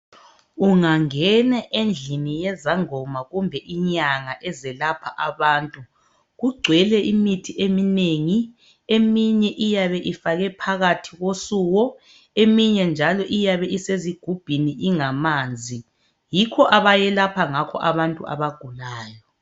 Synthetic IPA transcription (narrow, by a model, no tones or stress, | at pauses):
uŋaŋɛnaʔend͡ɮʱinijɛzaŋɔmaɣumbʱɛʔiɲaŋaʔɛzɛlapʰaʔaβaːntʼu | ɣuɡ͡ǀʱwɛlɛimitʰiʔemineŋi | emiɲɛʔijaβɛʔifaɣɛpʰaɣatʰiɣosuɣɔ | emiɲɛnd͡ʒʱalɔʔijaβɛʔiseziɡ̥ʱub̥ʱiniʔiŋamaːnd͡zʱi | jikʰɔʔaβajɛlapʰaŋakʰɔ̰ʔaβantʼṵʔa̰βaɡ̥ʱulaːjɔ